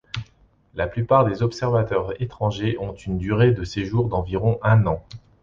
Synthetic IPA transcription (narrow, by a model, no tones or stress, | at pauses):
laplypaʁd̪ezɔpsɛʁvat̪œʁet̪χɑ̃ʒeʔɔ̃t̪ynd̪yʁed̪əseʒuʁd̪ɑ̃viʁɔ̃ʔɛ̃nɑ̃